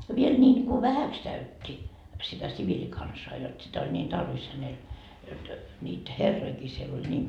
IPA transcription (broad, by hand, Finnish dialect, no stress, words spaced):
ʋiel nʲiːŋku ʋæhæks kæytʲːi sitæ siʋilʲikɑnsɑː jot sitæ olʲ nʲiːn tɑrʋis hænel jot nʲiːt herːoikiː siel olʲ nʲiːm